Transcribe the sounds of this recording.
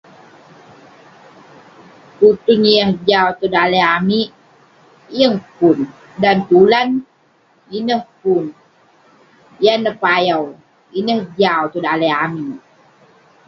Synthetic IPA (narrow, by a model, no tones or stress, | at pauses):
kut̪uŋiaŋd͡ʒawt̪odaleami | əŋpun | dant̪ulan | inəhpun | janːəpajaw | inəhd͡ʒawt̪odaleami